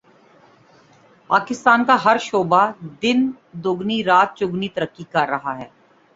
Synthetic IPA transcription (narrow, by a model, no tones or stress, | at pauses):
paːkɪst̪aːnkaɦɐɾʃoːbad̪ɪn | d̪ʊɡniɾaːt̪̚t͡ʃʊɡnit̪əɾəkːikɐɾːɐɦaɦɛː